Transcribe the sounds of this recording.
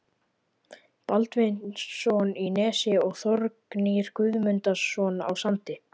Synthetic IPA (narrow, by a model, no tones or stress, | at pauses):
palt̪vɪnnssɔninɛːsɪɔɣθɔɾkniɾ̥kʰʏðmʏnt̪asːɔːna̰wsant̪ɪ